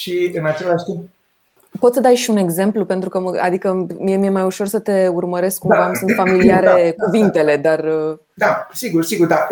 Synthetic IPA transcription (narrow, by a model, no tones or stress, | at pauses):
ʃiɨnat͡ʃelaʃt̪imp | po̞t̪səd̪ajʃiune̞ɡze̞mplupent̪ɾukəməa̰d̪ikəmiemijemajuʃo̞rsət̪e̞urməɾe̞skkːumvamsunt̪familiaɾekuvint̪e̞le̞d̪arə | d̪asiɡursiɡuɾd̪a